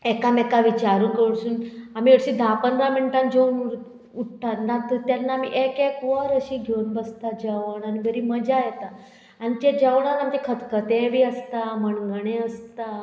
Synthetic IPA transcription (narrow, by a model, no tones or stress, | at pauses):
ekamekaʋit͡ɕaɾũkəɽsuːnam̤iːeɽɕid̪ʱapənɾamiɳʈãnd͡ʑʱeun | uʈʈanat̪ət̪janːaːmḭʔekekʋəɾəɕiːɡʱeunbəst̪ad͡ʑəʋəɳanibʱəɾiːməd͡ʑajɛt̪a | anit̪ed͡ʑəʋɳalamt̪ekʰət̪kət̪ɛ̃ʋiːəst̪aməɳɡəɳẽəst̪a